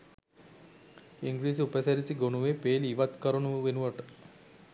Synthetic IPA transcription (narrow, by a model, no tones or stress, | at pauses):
iŋɡɾiːsiupəseɾisiɡonuʋeːpeːliːʋat̪kəɾənuʋenuʋaʈə